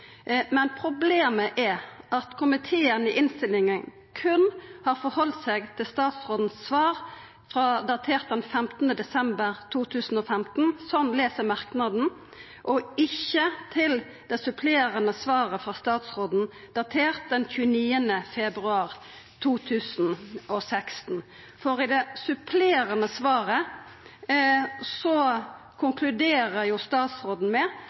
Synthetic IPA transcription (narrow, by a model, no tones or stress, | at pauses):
mɛnpʰɾʊbleːməʔɛʔɑt̪kʰʊmɪt̪ʰeːənɪʔɪnst̪ɪlɪŋən | kʰʉnhɑːɾfɔɾhɔlt̪sɛɡt̪ʰɪlst̪ɑːt̪sʁoːd̪n̩sːʋɑːʁ | fʁɑd̪ɑt̪ʰeːʁt̪̚d̪ɛnfɛmt̪n̩əd̪ɛsɛmbəʁt̪ʰuːt̪ʰʉːsn̩oːfɛmt̪n̩sɔnleːsəʁmɑʁknɑd̪n̩ | ʔɔɪçːət̪ʰɪl | d̪̥ɛsʉpʰleːʁənəsʋɑːʁəfɾɑst̪ɑːt̪sʁoːd̪n̩ | d̪̥ɑt̪ʰeːʁt̪̚d̪ɛnçʉːəniːənəfɛbʁʉɑːʁ | t̪ʰuːt̪ʰʉːsn̩ɔsɛkst̪n̩ | fɔʁɪd̪ɛsʉpʰleːʁənəsʋɑːʁə | sɔ | kʰʊŋkʰlʉd̪eːʁəjʊst̪ɑːt̪sʁoːd̪n̩mɛ